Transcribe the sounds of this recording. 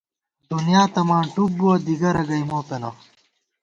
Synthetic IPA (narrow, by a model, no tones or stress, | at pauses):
d̪unjaːt̪ɐmãːɳʈuk̚buwɐd̪iɡɐɾɐɡɐjmoːpenɐ̰